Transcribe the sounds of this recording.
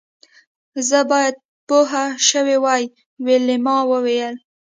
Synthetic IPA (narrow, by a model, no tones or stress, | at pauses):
zəbɑjad̪̚ | poɦaʃəwewɑj | welemɑwəwejəl